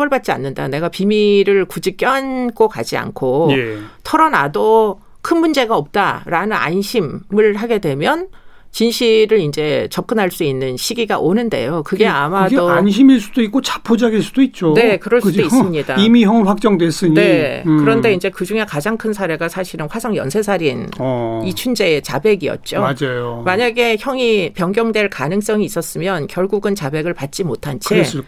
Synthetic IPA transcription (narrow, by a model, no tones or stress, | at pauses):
bʌɭbat̚t͡ɕ͈ia̰nːɯndane̞ɡapimiɾɯɭkud͡ʑik͈jʌɦnk͈oka̰d͡ʑia̰nkʰo | tʰʌɾʌna̰do | kʰɯnmund͡ʑe̞ɡaʌp̚t͈aɾanɯna̰nɕʰimɯɭhaɡe̞dwe̞mjʌn | t͡ɕinɕʰiɾɯɾind͡ʑe̞t͡ɕʌp̚k͈ɯnɦaɭs͈uinːɯnɕʰiɡiɡa̰ʔonɯnde̞̰jokɯɡeamaɡdonɕ̬ʰimiɭs͈ud̥oik͈̚ot͡ɕḁpʰod͡ʑaɡiɭs͈ud̥oit̚t͡ɕ͈one̞kɯɾʌɭsudois͈ɯmɲidaimiçjʌŋɸwak̚t͡ɕ͈ʌŋdwes͈ɯɲne̞kɯɯɾʌnde̞ind͡ʑe̞kɯd͡ʑuŋe̞kad͡ʑaŋkʰɯnsʰaɾe̞ɡasʰaɕʰiɾɯnɸwasʰaŋjʌ̰nsʰe̞sʰaɾinʌit͡ɕʰund͡ʑe̞ːt͡ɕa̰be̞ɡiʌ̰t̚t͡ɕ͈omad͡ʑajmaɲaɡe̞çjʌŋipjʌŋɡjʌŋdwe̞ɭkanɯŋs͈ʌŋiːs͈ʌs͈ɯmjʌnkjʌɭɡuɡɯnt͡ɕabe̞ɡɯɭpat̚t͡ɕ͈imotʰant͡ɕʰe